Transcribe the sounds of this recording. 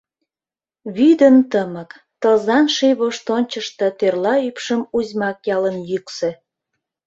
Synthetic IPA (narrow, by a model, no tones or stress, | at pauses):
βyd̪ənt̪əmək | t̪əlzɑnʃijβoʃt̪onʲt͡ɕəʃt̪ɤ̆t̪ørlɑypʃəmuzʲmɑkjɑlənjyksĕ